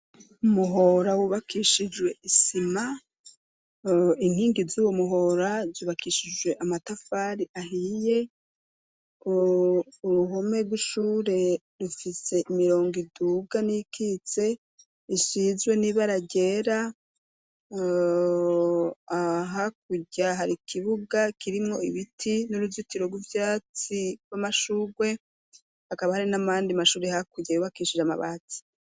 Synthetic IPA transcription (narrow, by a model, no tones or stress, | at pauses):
umuɦo̞ɾawuβakʰiʃid͡ʒwe̞ʔisima | iŋ̥hiːŋɡizuːwomuɦo̞ɾazuːβakʰiʃid͡ʒwe̞ʔamatafaːɾiʔahije̞ | uɾuɦo̞me̞bɡwiʃuːɾe̞ | ɾufise̞ʔimiɾo̞ːŋɡiduɡanikʰit͡se̞ | iʃizwe̞niβaɾaɟe̞ːɾa | aɦak̚uɟaɦaɾikʰiβuɡakiɾimŋo̞iβitʰinuɾuzitiɾo̞ɡwuvjaːt͡siɡwamaʃuːɾwe̞ | hakaβahaɾinamaːndiamaʃuːɾe̞hakuɟajuβakiːʃiʒama̰βa̰t͡si̥